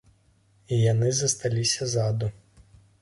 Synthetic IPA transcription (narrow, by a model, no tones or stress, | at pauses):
ijanɨzɐst̪alʲisʲɐzad̪u